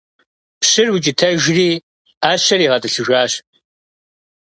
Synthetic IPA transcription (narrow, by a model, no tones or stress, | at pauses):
pɕɪrwit͡ʃʼɪtʰɐʒriː | aːɕɐriːʁɐtʼɨɬɨʒʷaːɕ